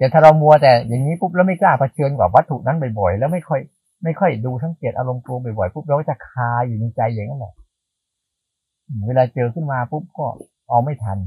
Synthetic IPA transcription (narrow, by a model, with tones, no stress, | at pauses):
t̪ɛ˨˩t̪ʰaː˥˩ɾa˧wmu˧ɐt̪ɛː˨˩jaː˨˩ŋːiː˦˥pu˦˥p̚lːwma˥˩jklaː˥˩pʰa˧t͡ɕʰɤː˧nkwaː˨˩wa˦˥t̪ʰːu˨˩na˦˥npa˨˩jbɔ˨˩jlɛː˦˥wma˥˩jkʰɔ˥˩j | ma˥˩jkʰɔ˥˩jduː˧t̪ʰa˦˥ŋki˨˩ət̪ʔa˧ɾo˧mklu˧p̬a˨˩jbɔ˨˩jpu˦˥p̚ɾa˧wka˥˩t̪ʰa˧˥˩kʰaː˧juː˨˩na˧jt͡ɕa˧jːa˨˩ŋːa˦˥nlɛ̰˨˩ʔ | ʔɯː˧˩weː˧laː˧t͡ɕɤː˧kʰɯ˥˩nmaː˧pʰu˦˥p̚kɔː˥˩ | ʔa˧wma˥˩jt̪ʰa˧n